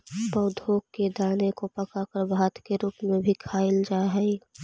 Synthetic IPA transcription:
pəʊd̪ʱokːed̪aːnekopəkakəɾbʱaːt̪keɾuːpmẽbʱikʰaɪld͡ʒaɦɛ

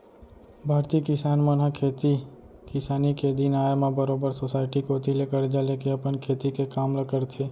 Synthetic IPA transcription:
bʱaːɾt̪iːəkɪsaːnmənɦəkʰeːt̪i | kɪsaːniked̪inaːjmabəɾoːbəɾsosaːɪʈikot̪ilekəɾd͡ʒaleːkeɐpənkʰeːt̪ikekaːmləkəɾt̪ʰeː

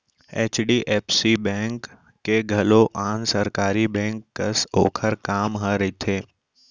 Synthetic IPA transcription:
eːt͡ʃɖiʔeːpsibɛ̃ːŋkː | eɡʱɐloʔaːnsəɾkaːɾibɛ̃ːŋkːəso̰ːkʰəɾkaːmɦəɾɐit̪ʰeː

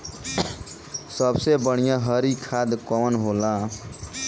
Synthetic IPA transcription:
səbsebəɽ̃ijãɦəɾikʰad̪kɔənɦolã

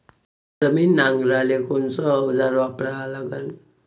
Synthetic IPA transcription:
d͡zəmiːnːaŋɡɾalekɔnsɔɦəd͡zaɾʋapɾaːlaɡən

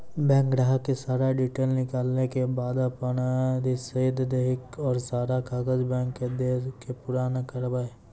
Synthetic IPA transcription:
bɛ̃ːŋkɾaːɦkesaːɾaɖiːʈeːlnɪkaːlnekebaːd̪ɐpənad̪isɐid̪d̪eɦɪkɔːɾsaːɾakaːɡəd͡ʒbɛ̃ːŋkːed̪eːskepʊɾaːnakəɾbae

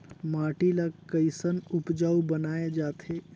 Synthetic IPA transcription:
maːʈilakəisənʊpd͡ʒaːwbənaːed͡ʒaːt̪eː

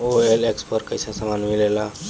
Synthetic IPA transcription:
oelekspəɾkəjsasamanmilela

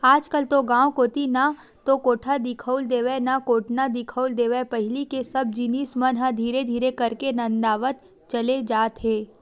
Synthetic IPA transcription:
aːd͡ʒkəlt̪oɡãːwkoːt̪ina | t̪okoːʈʰad̪ɪkʰəʊld̪eːʋenakoːʈʰnad̪ɪkʰəʊld̪eːʋepəɦɪlikesɐb̚d͡ʒiniːsmənɦãd̪ʱiːɾed̪ʱiːɾekɐɾkenə̃nd̪aːʋət̪̚ | t͡ʃəled͡ʒaːt̪ɦeː

